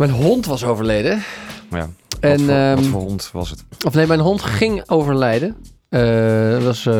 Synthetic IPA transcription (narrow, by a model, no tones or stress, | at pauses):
mɛjnɦɔntʋɑsowvəɹlejdəja̰ɛnɔntʋɑ̰sətɔfnejmɛjnɦɔntχɪŋowvəɹlɛjdə | əʋɑs